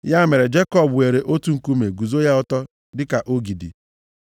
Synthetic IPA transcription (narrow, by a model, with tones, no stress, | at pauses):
ja˦me˨ɾe˨d͡ʒe˦kɔ˦˨bwe˨ɾe˨ʔo˦tu˦ŋ̩˨ku˦me˨ɡu˨zo˦ja˦ɔ˦tɔ˦ | dɪ˦ka˨ʔo˦ɡi˨dḭ˨